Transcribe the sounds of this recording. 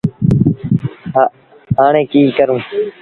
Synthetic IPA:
ɦaːɳẽːkiːkəɾũː

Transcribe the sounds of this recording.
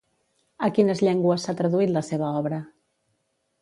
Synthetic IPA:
əkinəzʎɛŋɡwəsːat̪ɾəðuit̪ləseβ̞əɔβɾə

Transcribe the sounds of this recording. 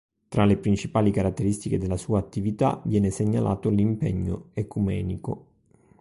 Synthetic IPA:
t̪ɾalepɾint͡ʃipaːlikaɾat̪ːeɾist̪iked̪elasuːaːt̪ːivit̪a̰vjɛːneseɲːalʔa̰ːt̪olimpeɲːo̰ekumɛːniko̰

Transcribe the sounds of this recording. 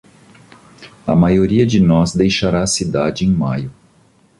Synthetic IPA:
ɐmajoɾiɐd͡ʒɪnɔzd̪ejʃaɾaːsid̪ad͡ʒɪẽj̃majʊ

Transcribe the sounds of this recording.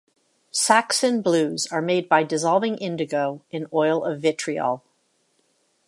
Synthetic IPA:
sæksɨ̃nblʉzə˞meɪd̚baɪdɨzɑlˠvɪ̃ŋʔɪ̃ndɨɡoʊɨ̃nɔɪlˠʌvɪt͡ʃʰɹ̥iɔ̰lˠ

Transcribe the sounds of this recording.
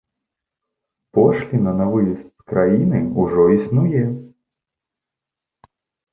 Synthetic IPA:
pɔʂlʲinɐnavɨjɛst̪skɾʔajinɨuʐɔisnujɛ

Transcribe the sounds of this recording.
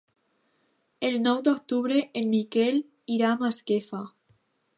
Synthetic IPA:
elnɔwd̪ok̚t̪uβɾeʔenmikel | iɾamaskefa

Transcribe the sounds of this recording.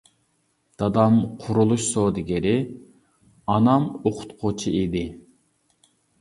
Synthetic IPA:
d̪̥ɑd̪ɑmqʰʊɾulˠuʃsoːd̪ɪɡʲɪɾɪ | ɑnɑmoqʰʊ̥t̪qʰot͡ʃʰiʔid̪ɪ

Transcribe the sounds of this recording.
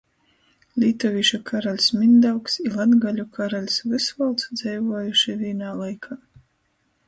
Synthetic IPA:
lʲiːt̪ɔvʲiʃakʰaɾalʲsmʲind̪awksilˠad̪ɡalʲukʰaɾalʲsvɨsvɔlˠt̪sd̪z̥ɛjvuɔjuʃivʲiːnaːlˠajkʰaː

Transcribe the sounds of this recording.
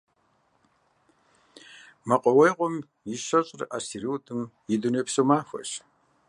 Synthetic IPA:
mɐqʷʼɔwejqʷɔm | jiʃɐɕʼrʔasiɾiwtʰʼɨmjɪdunɐpsumaːxʷɐ̰ɕ

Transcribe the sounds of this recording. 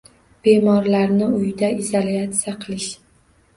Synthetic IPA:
b̥e̞mɒɾlaɾnɪʊjd̪aizoliat̪sijaqʰɨlˠɪʃ

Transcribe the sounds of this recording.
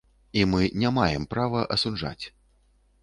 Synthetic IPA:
imɨnʲamajɛmpɾavɐʔɐsud͡ʐa̰t͡sʲ

